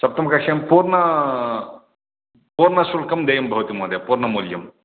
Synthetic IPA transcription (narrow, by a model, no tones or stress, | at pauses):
sɐp̚t̪ɐmkɐkʃɐmpuːɾnɐ | puːɾnɐsulkɐmd̪ɐjɐmbʱɐʋɐt̪imoːd̪ɐpuɾnɐmuljɐm